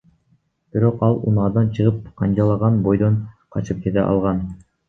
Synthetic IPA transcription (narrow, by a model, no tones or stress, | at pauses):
b̥iɾo̞qɑlˠṵnɑːd̪ɑnt͡ʃʰɯʁɯp̚qʰɑnd͡ʒɑlˠɑʁɑnbo̞jd̪onqʰɑt͡ʃɯp̚kʲet̪ɛ̰ʔɑ̰lˠʁɑn